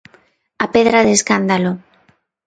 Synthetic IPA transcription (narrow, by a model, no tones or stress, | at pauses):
apeðɾaðeskand̪alo